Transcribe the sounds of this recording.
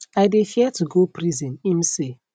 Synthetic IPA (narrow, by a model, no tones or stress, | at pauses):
aɪdefiɛtuɡopɾizɛ̃nimse